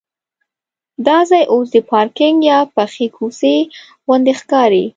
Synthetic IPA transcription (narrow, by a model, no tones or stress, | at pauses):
d̪ɑzajʔos̬d̪əpɑɾkɪŋɡjɑpaxikʰuse | wand̪exkɑɾi